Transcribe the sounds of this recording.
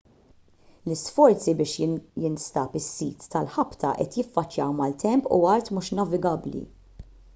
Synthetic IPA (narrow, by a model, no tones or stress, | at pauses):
lɪsfɔɾt͡sibɪːʃjɪnst̪ɐːpɪsːiːt̪ːɐlħɐpt̪ʰɐ̰ʔɛ̰t̪jɪfːɐt͡ʃːjɐːwmɐlt̪ɛmpṵɐɾt̪muʃnɐvɪɡɐblḭ